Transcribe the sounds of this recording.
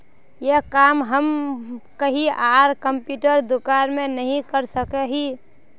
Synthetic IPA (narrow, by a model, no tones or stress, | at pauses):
jekaːmɦəmkəɦiʔaːɾkəmpjuʈəɾd̪ukaɾmẽnəɦĩkəɾsəkeɦi